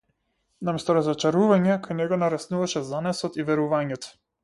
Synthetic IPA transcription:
namɛst̪ɔɾazɔt͡ʃaɾuvaɲɛkajnɛɡɔnaɾɛsnuvaʃɛzanɛsɔt̪ivɛɾuvaɲɛt̪ɔ̥

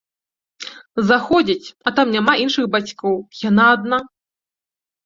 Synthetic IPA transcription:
zaxɔd͡zʲit͡sʲɐt̪amnʲamaʔinʂɨxbat͡sʲkɔwjanaːd̪̚na

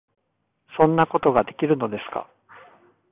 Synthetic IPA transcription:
sõ̞nːako̞t̪o̞ɡad̪e̞kʲiɾɯ̟no̞d̪e̞sɨ̥ka̰

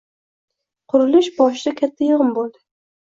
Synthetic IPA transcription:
qʰʊɾɪlɪʃbɒʃ̬ɪd̪akʲʰat̪ʰːajʊʁɨmbolˠd̪ɪ

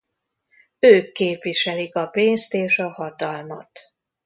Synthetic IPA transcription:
øːkːeːpʋiʃɛlikɒpeːnst̪eːʃɒhɒt̪ɒlmɒ̰t̪

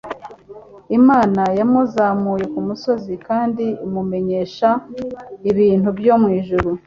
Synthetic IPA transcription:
imaːnajamuzaːmuːje̞kumuso̞zikaːndiimume̞ɲe̞ːʃa | iβiːnhubjomŋiːʒuɾu

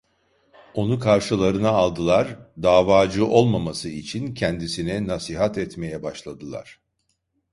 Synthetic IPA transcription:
o̞nukʰaɾʃɯlˠaɾɯnaːlˠd̪ɯlˠaɾd̪aːvaːd͡ʒɯʔo̞lˠmamasɯit͡ʃʰincʰɛnd̪isinɛnasiɦat̪ɛt̪me̞jɛbaʃlˠad̪ɯlˠa̰ɾ̥

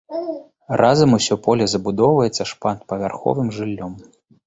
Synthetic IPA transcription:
rʔazɐmusʲɔpɔlʲɛzɐbud̪ɔwvɐjɛt̪sːɐʂpant̪̚pɐvʲarxɔ̰vɨmʐɨlʲːɔm

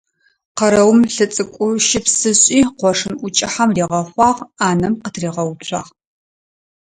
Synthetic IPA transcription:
qɐɾɐwmɬɨt͡sʼɨkʷʼʊʃɪpsɨɕʼiːqʷɔʂɨnʔʷʊt͡ʃʼɪħamriːʁɐχʷɑːʁaːnɐmqətʰriːʁɐwt͡ɕʷʰɑ̰ːʁ

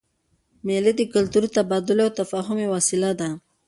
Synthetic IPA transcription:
meled̪əkʊlt̪uɾt̪abɑd̪ʊlawt̪afaɦʊmewasɪlad̪a

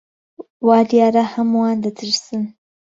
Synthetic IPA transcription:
wɑːljaːɾahɐmuwaːnd̪ɐt̪ʰɨɾsɨn

